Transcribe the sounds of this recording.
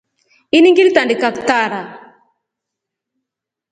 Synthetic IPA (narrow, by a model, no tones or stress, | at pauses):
iniŋɡilit̪andikakt̪aɾa